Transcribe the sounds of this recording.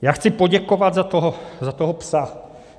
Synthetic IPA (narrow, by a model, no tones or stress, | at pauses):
jaːxt͡sɪpoɟɛkovad̪zat̪oɦozat̪oɦopsa